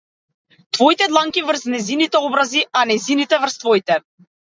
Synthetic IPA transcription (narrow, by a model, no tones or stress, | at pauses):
t̪vɔit̪ɛd̪lˠaŋkivr̩snɛjzinit̪ɛɔbɾazianɛjzinit̪ɛvrst̪vɔit̪ɛ